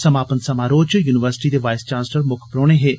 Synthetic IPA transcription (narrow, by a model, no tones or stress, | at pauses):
səmaːpənsəmaːɾoːt͡ʃjuːnɪʋəɾsɪ̥ʈiːd̪eːʋaːɪst͡ʃãːnsləɾmʊkʰpɾoːɽ̃eːɦeː